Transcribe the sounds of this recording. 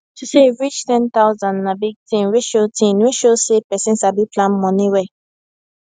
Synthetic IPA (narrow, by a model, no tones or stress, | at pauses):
toseɹit͡ʃtɛ̃nt̪aʊzãnnabiɡ̚tĩɹeʃotʰĩnweʃosepɛsĩnsabiplãnmɔ̃nĩwɛ